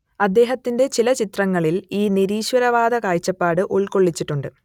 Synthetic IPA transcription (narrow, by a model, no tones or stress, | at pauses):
ɐd̪ːe̞ːɦɐt̪ːinde̞t͡ɕilɐt͡ɕit̪rɐŋːɐɭiliːniɾiːɕwɐɾɐʋaːd̪ɐkaːjt͡ɕːɐpːaːɽɨʔoɭko̞ɭːit͡ɕːiʈːuɳɖɨ